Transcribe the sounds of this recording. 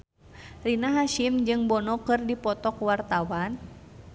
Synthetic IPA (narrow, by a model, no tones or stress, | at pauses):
rinaɦaʃimd͡ʒɨŋbɔnɔkɨrdipɔt̪ɔkwart̪awan